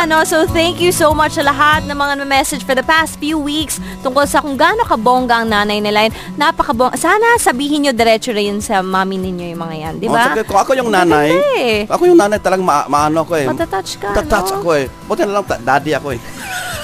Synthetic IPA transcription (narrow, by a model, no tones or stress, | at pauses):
ʔɐno̞sowθɛŋkjusowmɐt͡ʃsɐlɐɦat̪̚nɐŋmɐŋanɐmɛsɛd͡ʒfɔɹðɐpast̪fjuwikst̪ʊŋkolsɐkʊŋɡaːnokɐbo̞ːŋɡɐʔɐŋnaːnɐjnɪlaʔɛn | napɐkɐboŋʔsaːnɐsɐbiːhɪnɲod̪ɛɾɛt͡ʃoɾɐjɐnsɐmaːmɪnɪɲjo̞jʊŋmɐŋaja̰nd̪ɪbaɐkʊŋɐkojʊŋnaːnajʔɐkojʊŋnaːnɐjt̪ɐlɐɡamɐʔmɐʔaːnoɐkoɛmɐt̪at̪at͡ʃkɐɐt̪anat͡ʃɐkoɛbut̪ɛnɐlɐŋt̪ad̪aːd̪ɪɐkoɛ